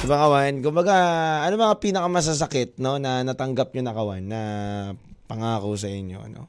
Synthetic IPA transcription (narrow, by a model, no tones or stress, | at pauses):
sɐbɐŋkɐwankʊmbɐɡaʔɐnomɐŋapiːnɐkɐmɐs̬as̬ɐkɪt̪̚no̞nɐnɐt̪ɐŋɡap̚ɲonɐkɐwanːɐ | pɐŋaːkosɐʔɪɲjo̞̰ʔɐ̰no̞̰